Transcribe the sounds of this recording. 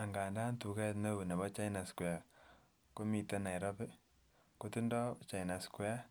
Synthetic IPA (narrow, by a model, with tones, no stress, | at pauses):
a˨ŋɡaː˨nda˦ntu˨kɛ˦tne˦wu˨ne˨βɔ˦t͡ʃa˦ina˨skwɛ˨a˨ | ko˦mi˨tɛ˦na˨i˨ɾɔ˦pɪ˦ | ko˦ti˦ndɔ˦t͡ʃa˨ina˨skwɛ˦a˦